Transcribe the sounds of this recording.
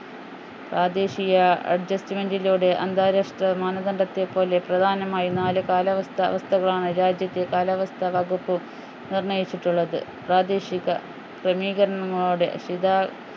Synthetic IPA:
praːd̪e̞ːɕijɐɐ̰ɖ̚d͡ʑɐstimendiluːɽe̞ʔɐnd̪aːɾɐʂʈrɐmaːnɐd̪ɐɳɖɐt̪ːe̞pːo̞ːle̞prɐd̪ʱaːnɐmaːjinaːlɨkaːlɐʋɐst̪ʰɐ̰ʋɐst̪ʰɐɣɐɭaːɳɨɾaːd͡ʑjɐt̪ːekaːlɐʋɐst̪ʰɐʋɐɡupːɨ | nirɳɐjit͡ɕːiʈːuɭːɐðɨ̰praːd̪e̞ːɕiɣɐ | krɐmiːɣɐɾɐɳɐŋːɐɭoːɽe̞̰ɕid̪aː

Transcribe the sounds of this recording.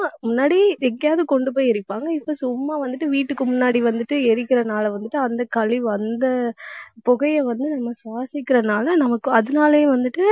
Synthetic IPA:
amʊnːaːɽiɛŋɡɐjaːðɯkɔɳɖɯp̬oːjɪɾɯpːaːŋɡɐɪpːosʊmːaːʋɐnd̪ɯʈːɯʋiːʈːɯkːɯmʊnːaːɽiʋɐnd̪ɯʈːɯɛɾɯkːɪɾɐnaːlɐʋɐnd̪ɯʈːɯɐnd̪ɐkɐliʋɐnd̪ɐpɔɣɐjɐʋɐnd̪ɯnɐmːɐsʋaːsɪkːɪɾɐnaːlɐnɐmɐkːɯɐðɯnaːleʋɐnd̪ɯʈːɯ

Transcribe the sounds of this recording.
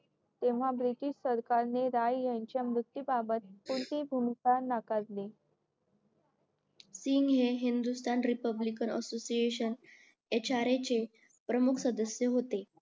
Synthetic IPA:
t̪eʋ̤abɾit̪iːʂsəɾkaɾneɾajjaɲt͡ɕjamɾut̪ːibabət̪̚puɾt̪iːbʱumikanakat̪le | siŋɡɦeɦind̪ust̪anɾipəblikənə̰sosieɕən | et͡ɕaɾet͡ɕe | pɾəmukʰsəd̪əsjəɦot̪e

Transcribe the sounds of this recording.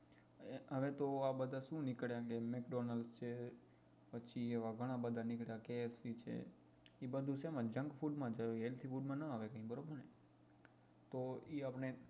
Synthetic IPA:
ɦəʋet̪oabəd̪ʱaʃũnɪkɭjãkemekɖonəlst͡ʃʰe | pəːt͡ʃʰieʋaɡʱəɽ̃ãbəd̪ʱanɪkɭjakeːfsit͡ʃʰḛ | ibəd̪ʱusamãd͡ʒə̃ŋɡfuɖmãd͡ʒəjoelt̪ʰifuɖmãnəaʋekə̃ɦĩbəɾobəɾne | t̪oiapɳ̃e

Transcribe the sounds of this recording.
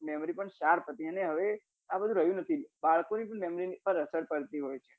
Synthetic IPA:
mɛmɾipəɳʃaɾpʰət̪iəneɦəʋe | abəd̪ʱũɾəɦjũnət̪ʰibaɭkonipəɳmemɾipəɾəsəɽpəɾt̪iɦojt͡ʃʰe

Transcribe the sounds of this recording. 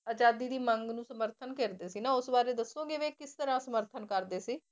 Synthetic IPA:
əd͡ʒaːd̪iːd̪iːməŋɡnũːsəməɾt̪ʰənkeːɾd̪eːsiːnãːʊsbaːɾeːd̪əsõːɡeːʋeːkɪst̪əɾãːsəməɾt̪ʰənkəɾd̪eːsiː

